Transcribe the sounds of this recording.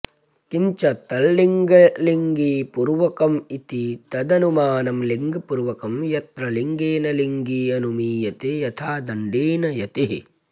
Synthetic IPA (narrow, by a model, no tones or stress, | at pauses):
kiɲt͡ʃɐt̪ɐlːiŋɡɐliŋɡiːpuɾʋɐkɐmit̪it̪ɐd̪ɐnumaːnɐmliŋɡɐpuɾʋɐkɐmjɐt̪ɾɐliŋɡeːnɐliŋɡiɐnumiːjɐt̪ejɐt̪ʰaːd̪ɐɳɖiːnɐjɐt̪iɦ